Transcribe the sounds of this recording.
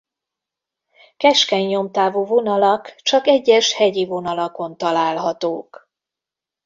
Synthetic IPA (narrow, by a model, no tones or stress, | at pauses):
kɛʃkɛɲːo̞mt̪aːvuːvo̞nɒlɒkt͡ʃɒkɛɟːɛʃhɛɟivo̞n̪ɒlɒko̞nt̪ɒlaːlɦɒt̪oːk